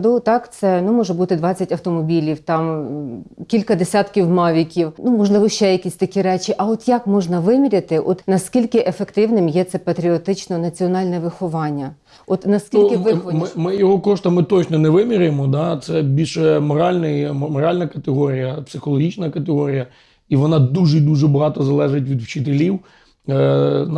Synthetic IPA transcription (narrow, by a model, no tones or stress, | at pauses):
d̪ut̪ɑkt̪sɛnumɔʒɛbut̪ɪd̪ʋɑt͡sʲːɐtʲɐwt̪ɔmɔbʲilʲiwt̪ɑm | kʲilʲkɐd̪esʲat̪kʲiwmɑʋʲikʲiwnumɔʒlˠɪʋɔʃt͡ʃɛjɐkʲisʲt̪ɐkʲiɾɛt͡ʃʲiʔɐɔt̪jɐkmɔʒnɐʋɪmʲiɾʲɐt̪ɪʔɔt̪nɐskʲilʲkɪʔefekt̪ɪwnɪmjɛt̪sɛpɐt̪ɾʲiɔt̪ɪt͡ʃnɔnɐt͡sʲiɔnɑlʲnɛʋɪxɔʋɑnʲːɐ | ɔt̪nɐskʲilʲkɪʋɪxɔmʲmɪjɔɦɔkɔʃt̪ɐmɪt̪ɔt͡ʃnɔnɛʋɪmʲiɾʲjemɔd̪ɑt̪sɛbʲilʲʃmɔɾɑlʲnɪjmɔɾɑlʲnɐkɐt̪eɦɔɾʲijɐpsɪxɔlˠɔɦʲit͡ʃnɐkɐt̪eɦɔɾʲijɐ | iʋɔnɑd̪uʒɪid̪uʒɛbɐɦɑt̪ɔzɐlˠɛʒetʲʋʲid̪wt͡ʃɪt̪elʲiw | n